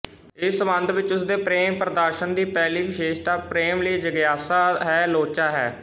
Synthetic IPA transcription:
ɪsəbə̃nd̪ʋɪt͡ʃʊsd̪eːpɾeːmpɾəd̪aːɾʃənd̪iːpɛːliːʋɪʃeːʃt̪aːpɾeːmləiːd͡ʒəɡjaːsaːɦɛːloːt͡ʃaːɦɛ̰ː

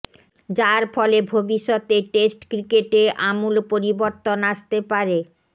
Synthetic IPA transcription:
d͡ʑaɾfɔlebʱobiʃːot̪eʈesʈkɾikeʈeʔamulpoɾiboɾt̪onaʃt̪epaɾe

